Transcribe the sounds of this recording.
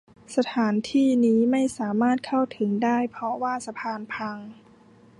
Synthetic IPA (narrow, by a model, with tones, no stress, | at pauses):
sa˧t̪ʰaː˩˦nt̪ʰiː˥˩niː˦˥ma˥˩jsaː˩˦maː˥˩t̪̚kʰa˥˩wt̪ʰɯ˩˦ŋdaː˥˩jpʰɔ˧˥waː˥˩sa˧pʰaː˧npʰa˧ŋ